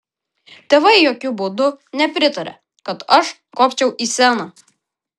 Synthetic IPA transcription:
t̪ʲeːʋɐɪjoːkʲʊbʊd̪ʊnʲɛpʲɾʲɪt̪ɐɾʲɛ̰ | kɐt̪ɐʃ | koːpʲt͡ʃʲɛʊʔisʲæːnɐ

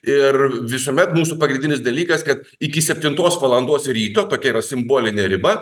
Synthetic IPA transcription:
ɪrʋʲɪsoːmʲɛt̪muːsupɐɡɾʲɪnʲd̪ʲɪnʲɪsd̪ɐlʲiːkɐskɐt̪ | ɪkʲɪsʲɛpʲt̪ʲɪnt̪oːsʋɐlˠɐnd̪oːsɾʲiːt̪oːt̪oːkʲɛiɾɐsʲɪmboːlʲɪnʲeɾʲɪbɐ

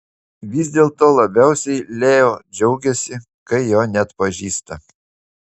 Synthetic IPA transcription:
ʋʲɪzʲd̪ʲeːlˠt̪oːlˠɐbʲɛˑʊsʲɛɪlʲeːjoːd͡ʒʲɛʊɡʲɛsʲɪ | kɐɪjoːnʲɛɐt̪pɐʒʲiːst̪ɐ

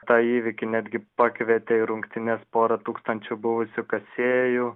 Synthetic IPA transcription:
t̪ɑːiːʋʲɪkʲɪnʲæːd̪ʲɡʲɪpɑːkʋʲeːt̪ʲeːɪɾʊŋkt̪ʲɪnʲɛspoːɾɐt̪uːkst̪ɐnʲt͡ʃʲʊbʊʋʊsʲʊkɐsʲeːjuː

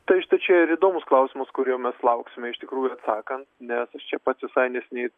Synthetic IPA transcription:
t̪ɐɪʃt̪ɐɪt͡ʃʲɛɪɾiːd̪oːmʊsklˠɐʊsʲɪmɐskʊɾʲiɛʊmʲɛslˠɐʊksʲɪmʲɛɪʃt̪ʲɪkɾuːjʊɐt̪sɑːkɐnt̪nʲɛsɐʃt͡ʃʲɛpɐt̪sʲʋʲɪsɐɪnʲɛsʲɪnʲɛɪ

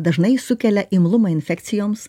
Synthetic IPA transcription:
d̪ɐʒnɐɪsʊkʲɛlʲɛʔɪmlˠʊmɐɪnʲfʲɛkt̪sʲɪjoːms

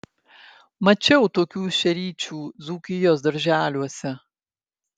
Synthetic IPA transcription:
mɐt͡ʃʲɛʊt̪oːkʲuːʃʲɛɾʲiːt͡ʃʲuːd̪zuːkʲɪjoːsd̪ɐɾʲʒʲæːlʲuɔsʲɛ

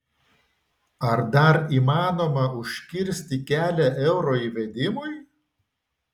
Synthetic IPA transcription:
ɐɾd̪ɐɾiːmɑːnoːmɐʊʃʲkʲɪɾʲsʲt̪ʲɪkʲæːlʲɛʔɛʊɾoːiʋʲɛd̪ʲɪmʊɪ

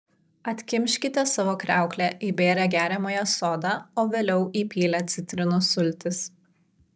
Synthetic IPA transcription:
ɐt̪ʲkʲɪmʲʃʲkʲɪt̪ʲɛsɑʋoːkɾʲæˑʊklʲɛʔiːbʲeːɾʲɛɡʲæːɾʲɛmoːjɛsoːd̪ɑːoːʋʲeːlʲɛʊʔiːpʲiːlʲɛt̪sʲɪt̪ʲɾʲɪnʊsʊlʲt̪ʲɪs

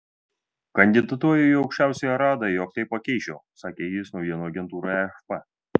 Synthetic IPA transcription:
kɐnʲd̪ʲɪd̪ɐt̪uɔjʲɛjɒʊkʃʲt͡ʃʲæˑʊsʲɛjɛɾɑːd̪ɐjoːk̚t̪ɐɪppɐkʲɛɪʃʲoːsɑːkʲeːjɪsnɒʊjʲiɛnuɐɡʲɛnt̪uːɾɐɛfpɐ

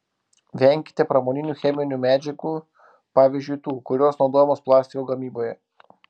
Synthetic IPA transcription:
ʋʲɛˑŋʲkʲɪ̥t̪ʲepɾɐmoːnʲɪnʲuːxʲɛmʲɪnʲuːmʲæːd͡ʒʲɛkuː | pɑːʋʲizʲd͡ʒʲʊjt̪uːkʊɾʲoːsnɒʊd̪oːjɛmoːsplˠɑːsʲt̪ʲɪkoːɡɐmʲiːboːjɛ

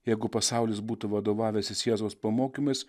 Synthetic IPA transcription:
jɛɪɡʊpɐsɑˑʊlʲɪs̬buːt̪ʊʋɐd̪oːʋɑːʋʲeːsʲɪsʲjæːzoːspɐmoːkʲimɐɪs

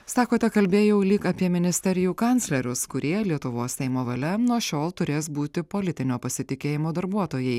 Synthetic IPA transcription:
sɑːkoːt̪ʲɛkɐlʲbʲeːjɛʊlʲɪkɐpʲiɛmʲɪnʲɪsʲt̪ʲɛɾʲɪjuːkɑnʲtsʲlʲɛɾʲʊskʊɾʲiɛlʲiɛt̪ʊʋoːsʲsʲɛɪmoːʋɐlʲɛnuɔʃʲoːlˠt̪ʊɾʲeːsbuːt̪ʲɪpoːlʲɪt̪ʲɪnʲoːpɐsʲɪt̪ʲɪkʲeːjɪmoːd̪ɐɾbuɔt̪oːjɛɪ

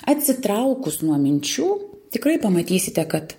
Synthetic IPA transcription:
ɐt̪ʲsʲɪt̪ɾɐʊkʊsnuɔmʲɪnʲt͡ʃʲuːt̪ʲɪkɾɐɪpɐmɐt̪ʲiːsʲɪt̪ʲɛkɐt̪

